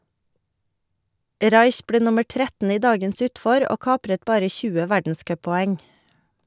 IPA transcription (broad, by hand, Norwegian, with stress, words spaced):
ˈɾɑɪç ˈbleː ˈnʊməɾ ˈtɾɛtn̩ ˈiː ˈdɑːɡəns ˈʉːtfɔɾ ˈoː ˈkɑːpɾət ˈbɑːɾə ˈçʉːə ˈʋæɖn̩ˌskœpɔˌɛŋ